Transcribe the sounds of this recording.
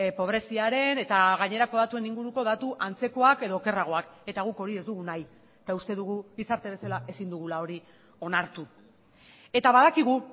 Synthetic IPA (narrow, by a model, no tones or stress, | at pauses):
po̞β̞ɾe̞siaɾe̞ne̞t̪aɣaɲe̞ɾako̞ðat̪ue̞niŋɡuɾuko̞ðat̪uʔant͡se̞ko̞ake̞ðo̞ːke̞raɣ̞o̞ake̞t̪aɣuko̞ɾie̞zd̪uɣunaj | et̪aust̪e̞ðuɣubisaɾt̪e̞β̞e̞salaʔe̞sind̪uɣ̞ulao̞ɾi | o̞naɾt̪u | e̞t̪aβaðakiɣ̞u